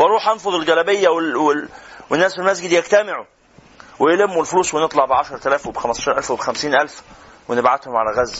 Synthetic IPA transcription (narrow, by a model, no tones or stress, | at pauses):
wʔɑɾˤuːħʔɑnfoðˤelɡælæbejːæwelwewenːæːsfilmæzɡd̪jækt̪æmeʕu | wejelemːulfluːswenet̪ˤlɑʕbeʕaʃɑɾˤt̪ælæːfwebexæmæst̪ɑʃːɾʔælfwebexæmsiːnʔælfwenebʕad̪homʕalæɣæz